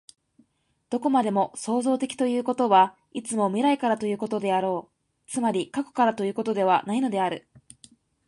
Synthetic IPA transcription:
d̪̥o̞ko̞mad̪e̞mo̞so̞ːzo̞ːt̪e̞kʲi̥t̪o̞jɯ̟ːko̞t̪o̞βa | it͡sɨmo̞mʲiɾaikaɾat̪o̞jɯ̟ːko̞t̪o̞d̪e̞aɾo̞ː | t͡sɨmaɾʲikako̥kaɾat̪o̞jɯ̟ːko̞t̪o̞d̪e̞β̞anaino̞d̪e̞aɾɯ̟

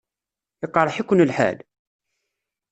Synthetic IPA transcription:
əqːɾˤəħikʷːʊnəlħa̰l

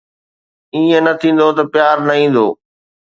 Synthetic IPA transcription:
ĩːə̃nɐt̪ʰĩːn̆d̪ot̪ɐpɪjaːɾnɐĩːn̆d̪oː

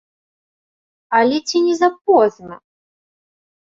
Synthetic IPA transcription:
alʲɛt͡sʲinʲɛzap̚ɔznɐ

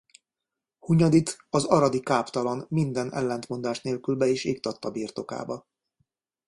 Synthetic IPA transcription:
huɲɒd̪it̪ɒzɒɾɒd̪ikaːpt̪ɒlɒnmind̪ɛnɛ̰lːɛnt̪mo̞nd̪aːʃneːlkylbɛeːʃeːk̚t̪ɒt̪ːɒbiːrt̪o̞ka̰ːbɒ

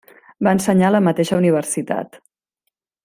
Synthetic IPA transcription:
baənsəɲaləmət̪eʃəuniβ̞ərsit̪a̰t̪

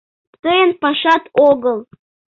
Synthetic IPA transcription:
t̪əjənpɑʃɑt̪oɡəlˠ

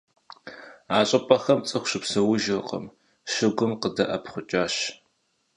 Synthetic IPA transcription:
aːɕʼɐpʼɐxɐmt͡sʼɨχʷɕɪpsɐwʊʒɐrqʼə̰m | ʃɪɡʷʊmqədɐʔɐpχʷʊt͡ʃʼaːɕ

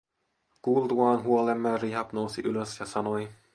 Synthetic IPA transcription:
kuːlt̪uɑːnɦuolemːæːriːɦɑpnowsiʔyløsjɑsɑno̞j

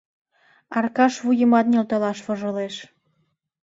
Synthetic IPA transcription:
ɑrkɑʃβujə̆mɑt̪̚nʲelt̪ɤlɑʃβŏʒɤ̆leʃ

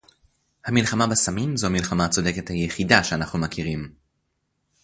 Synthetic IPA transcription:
hamilχamabesamimzomilχamaːt͡so̞de̞ke̞thajeχidaʃeanaχnumakiʁim

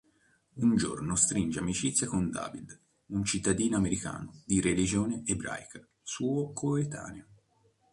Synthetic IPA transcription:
und͡ʒo̰rnost̪ɾind͡ʒeamit͡ʃit̪sːjakond̪a̰ːvid̪ | unt͡ʃit̪ːad̪iːnoameɾika̰ːnod̪iɾelid͡ʒoːneebɾa̰jka | suːokʰoet̪ʰa̰ːneo

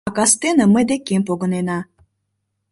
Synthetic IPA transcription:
kɑst̪enəməjd̪ekempoɡə̆nenɑ

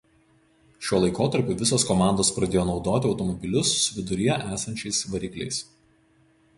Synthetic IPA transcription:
ʃʲuɔlˠɐɪkoːt̪ɐɾʲpʲʊʋʲɪsoːskɔmɑˑnd̪oːspɾɐd̪ʲeːjoːnɒʊd̪oːt̪ʲɪɒʊt̪ɔmɔbʲɪlʲʊsʊʋʲɪd̪ʊɾʲijɛʔæːsɐnʲt͡ʃʲɛɪsʋɐɾʲiːklʲɛ̰ɪs

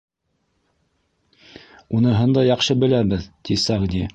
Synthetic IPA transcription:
unɤɦɤnd̪ɑjɑqʃɤbɘ̆læbɘðt̪isɑʁd̪ʲi

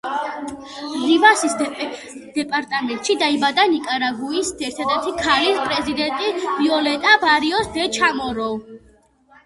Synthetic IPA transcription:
livasis | d̪̥ɛpʼaɾt̪ʼamɛnt̪ʼʃid̪aibad̪anikʼaɾaɡuisd̪ɛɾt̪ʰad̪ɛɾt̪ʰikʰalispʼɾɛzid̪ɛnt̪ʼiviɔlɛt̪ʼabaɾiɔsd̪ɛt͡ʃʰamɔɾɔ

